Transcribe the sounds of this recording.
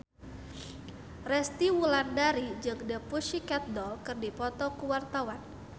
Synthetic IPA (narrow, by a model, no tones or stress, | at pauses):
rɛst̪iwulandaɾid͡ʒɨŋdəpuʃikat̪̚dɔkɨrdipɔt̪ɔkuwart̪awan